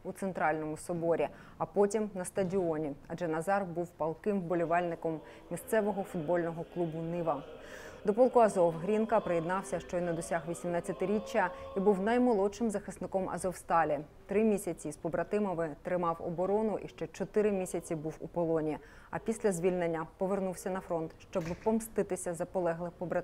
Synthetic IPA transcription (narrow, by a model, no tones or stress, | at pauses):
ut̪sent̪ɾɑlʲnɔmʊsɔbɔɾʲi | ɐpɔtʲimnɐst̪ɐdʲiɔnʲiɐ̰d͡ʒɛnɐzɑrbuwpɐlˠkɪmbɔlʲiʋɑlʲnɪkɔm | mʲist̪sɛʋɔɦɔfʊd̪bɔlʲnɔɦɔklˠubʊnɪʋɐ | d̪ɔpɔlˠkʊɐzɔwɦɾʲinkɐpɾejɛd̪nɑwsʲɐʃt͡ʃɔjnɛd̪ɔsʲaɦʋʲisʲimnat͡sʲːɐt̪ɪɾʲit͡ʃːɐibuwnɐjmɔlˠɔʃɪmzɐxɪsnɪkɔmʔɐ̰zɔwst̪ɑlʲi | t̪ɾɪmʲisʲɐt͡sʲispɔbɾɐt̪ɪmɔʋɪt̪ɾɪmɑwɔ̰bɔɾɔnʊʔiʃt͡ʃɛt͡ʃɔt̪ɪɾɪmʲisʲɐt͡sʲibuwupɔlˠɔnʲi | ɐ̰pʲisʲlʲɐzʲʋʲilʲnenʲːɐpɔʋernuwsʲɐnɐfɾɔnt̪ʃt͡ʃɔbpɔmst̪ɪt̪ɪsʲɐzɐpɔlˠɛɦlˠɪxpɔbɾɐt̪